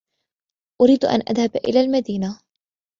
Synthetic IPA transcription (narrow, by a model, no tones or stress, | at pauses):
ʔʊɾiːd̪ʔa̰nʔa̰ðhabʔɪ̰laːlmad̪iːna